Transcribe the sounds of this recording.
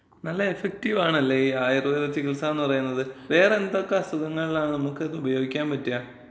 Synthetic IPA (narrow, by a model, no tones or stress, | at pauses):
nɐlːɐefek̚tiʋaːɳɐlːeiaːjirɨiɾɐt͡ɕːikilsaːenːɨpɐrɐjunːɐðɨʋe̞ːreend̪okːɐst̪ɐðɐŋːɐɭilaːɳɨnɐmukːeðɨubɐjo̞ːɡikʲːaːnpɐtːija